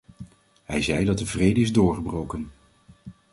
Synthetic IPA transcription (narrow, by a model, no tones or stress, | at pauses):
ɦɛjzɛjdɑt̚dəvrejdəɪzdʊːɹχəbrowkən